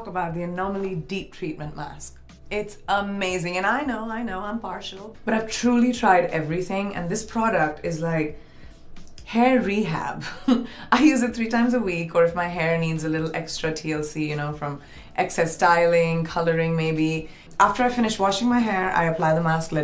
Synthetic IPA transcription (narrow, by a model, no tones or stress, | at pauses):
kəbaʊt̪̚ðiɨnɔməl̩ˠidip̚tʰɹ̥it̚mə̃ntmæ̰sk | ɪtsəmeɪzɪ̃ŋɨ̃naɪnoʊaɪnoʊãɪ̃mpʰɑɹʃl̩ˠb̥ʌɾaɪv̥tʰɹ̥uːlitʰɹ̥aɪɾɛvɹiθɪ̃ŋɨ̰̃nðɪspʰɹ̥ɔɾək̚tɪzlaɪk | hɛɹːiɦæ̰baɪjʉːzɨt̚θɹiːtãɪ̃mzəwikəɹɨfmaɪɦɛɹniːdzəlɪɾl̩ˠʔɛ̰kstɹ̥ɨtʰiɛlˠsijɨñoʊfɹʌ̃m | ʔɛksɛstaɪlɪ̃ŋkʰʌlə˞ɪ̃ŋmeɪbi | ʔæftə˞aɪfɪ̃ñɨʃwɔʃɪ̃ŋmaɪɦɛɹa̰ɪɨpl̥aɪðəmæsklɛ